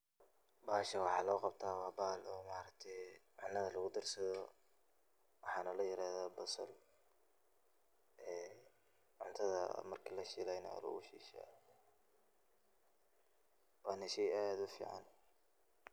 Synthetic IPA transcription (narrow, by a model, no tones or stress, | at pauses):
baːʃɐwɑħɑːlɔːqɑbt̪ʰaːwɑːbaːlɔːmaːɾɐk̚t̪ʰɛjʕʊnːɐðɐlɐɣʊd̪ɐrsɐðɔ | wɑħɑːnɐlɐjɪɾaːðaːbʊsɐ̰l | ʔɛː | ʕʊnt̪ʰɐðɐ̰mɐrkʰilɐʃɪlɛjnɐ̰lʊ̰ʊʃḭːʃa̰ | wɑːnɐʃɛjaːd̪ʊfḭːʕɑ̰n